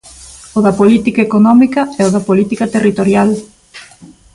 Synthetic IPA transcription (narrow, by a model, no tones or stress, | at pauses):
oðɐpolit̪ikaekonɔmikɐɛoðɐpolit̪ikɐt̪erit̪oɾjal